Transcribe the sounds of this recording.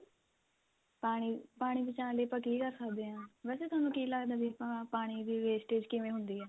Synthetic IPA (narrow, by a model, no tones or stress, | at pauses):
aːipaːɽ̃iːbɪt͡ʃãːləiːpəkiːkəɾsəkd̪eːɦãːʋɛːseːʊaːnũːkiːləɡd̪aːbipãpaːɽ̃iːd̪iːʋeːsʈeːd͡ʒkɪʋẽːɦʊnd̪iːɛː